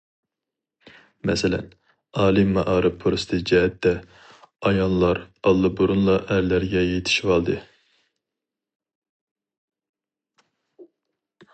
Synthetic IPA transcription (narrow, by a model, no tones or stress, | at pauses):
mɛsɛlɛ̰n | ɑːlˠimɑʔɑːɾɨpʰɾost̪ʰɨd͡ʒɛɦɛt̪ːɛ | ɑjɑnlˠɑɾɑlˠːɨbuɾunlˠɑʔɛɾlːæɾɡʲɛjet̪ʰi̥ʃivɑlˠd̪ɨ